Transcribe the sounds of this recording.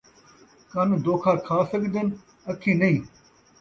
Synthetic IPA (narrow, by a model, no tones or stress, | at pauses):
kɐnd̪oːkʰaːkʰaːsəɡd̪ən | ɐkʰĩːnɐĩː